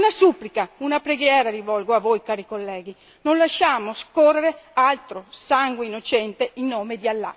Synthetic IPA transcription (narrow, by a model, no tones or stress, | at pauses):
unasupːlikaunapɾeɡjɛːɾaɾivɔlɡoavojkaːɾikolːɛːɡi | nonlaʃaːmoskorːeɾealt̪ɾosaŋɡweinːot͡ʃɛnt̪einːoːmed̪ialːa̰